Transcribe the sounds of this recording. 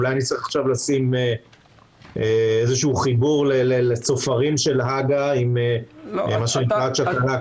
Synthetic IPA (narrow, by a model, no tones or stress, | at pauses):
lajanitt͡sʁiχaχʃavlasime | eezeʃuːχibuʁlelelet͡sofaʁimʃe̞lɦaɡaimemaʃeniaʃakaa